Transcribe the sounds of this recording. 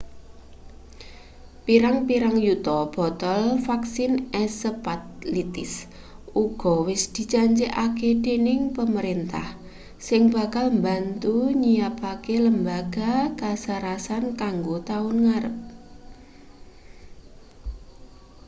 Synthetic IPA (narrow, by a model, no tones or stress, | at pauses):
piɾaŋpiɾaŋjut̪ɔb̥ɔ̤t̪ɔlfaksɪnɛsəpat̪̚lit̪ɪs | uɡ̥ɔ̤wɪsd̪̥i̤t͡ʃaɲt͡ʃeʔaked̥e̤nɪŋpəməɾint̪a̰h | sɪŋba̤kalmba̤nt̪uɲijapakeləmbaɡ̥a̤kasaɾasankaŋɡot̪aʊnŋaɾə̰p̚